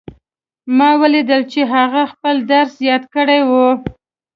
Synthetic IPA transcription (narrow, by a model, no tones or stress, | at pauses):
mɑwəlid̪əlt͡ʃeɦaɣaxpəld̪aɾsjɑt̪kəɽajwu